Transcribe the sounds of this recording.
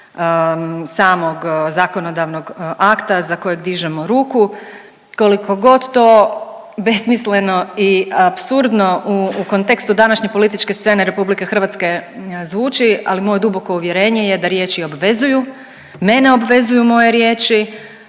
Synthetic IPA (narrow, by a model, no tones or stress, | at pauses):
saːmo̞ɡzako̞no̞d̪aʋno̞ɡakt̪azako̞jeɡd̪iʒemo̞ɾuːku | koliko̞ɡo̞d̪t̪o̞ː | be̞smisle̞no̞iapsuɾd̪no̞uko̞nt̪ekst̪ud̪anaʃɲepo̞lit̪̬it͡ʃke̞st̪se̞ne̞ɾe̞publike̞xr̩ʋat̪ske̞zʋuːt͡ʃia̰limo̞je̞d̪ubo̞ko̞uʋje̞ɾeːɲe̞jed̪aɾje̞ːt͡ʃio̞bʋe̞zuju | me̞ne̞o̞bʋe̞zujumo̞je̞ɾje̞ːt͡ʃi